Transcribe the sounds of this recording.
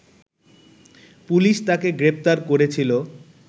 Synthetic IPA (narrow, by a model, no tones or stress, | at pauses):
puliʃt̪akeɡɾep̚t̪aɾkoɾet͡ɕʰilo